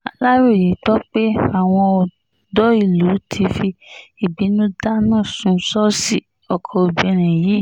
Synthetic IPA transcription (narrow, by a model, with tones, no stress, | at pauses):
a˨la˦ɾo˦˨je˨˦tɔ˦k͡pe˦a˨w̃ɔ̃˧ɔ˧ | dɔ˦i˦˨lu˨˦tʰi˧fi˧i˨bi˨˦nũ˦da˦nãː˦˨sũ˧˦sɔ˦si˦˨ | ɔ˨kʰɔ˧o˧bi˨˦ɛ˧˦ɾ̃ɛ̃˨ji˨˦˨